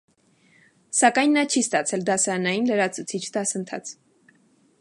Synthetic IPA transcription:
sɑkɑjnːɑt͡ʃʰist̪ɑt͡sʰɛld̪ɑsɑɾɑnɑjinləɾɑt͡sʰut͡sʰit͡ʃʰd̪ɑsənt̪ʰɑ̰t͡sʰ

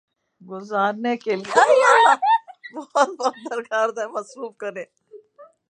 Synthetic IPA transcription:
ɡʊzaːɾnekeliaia | bɔhɔt̪̚bɔːt̪̚d̪ɐɾkaːɾd̪ɛ̃mɐsɾuːfkɐɾẽː

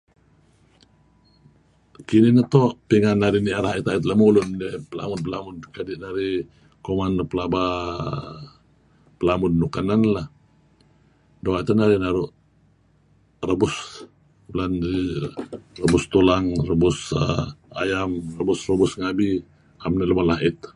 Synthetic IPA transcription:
kininət̪oʔpiŋanːaɾiniaɾahaʔit̪ait̪ləmulʊndipəla̰mʊn̚pəlamʊnkadiʔnaɾi | komanpəlaba | pəlamʊdːukananlah | doait̪anaɾinaɾuʔ | rəbʊs | lani | rəbʊst̪ulaŋrəbʊsə̰a̰jamrəbʊsrəbʊsŋabi | amniləmalaʔɪt̪̚

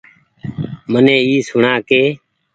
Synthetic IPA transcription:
mənẽːiːsʊɳaːkeː

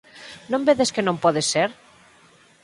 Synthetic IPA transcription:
nõmbeðeskenõmpɔðesːeɾ

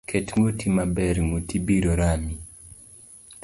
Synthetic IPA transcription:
kʰetŋotimabɛɾŋotibiɾoɾami

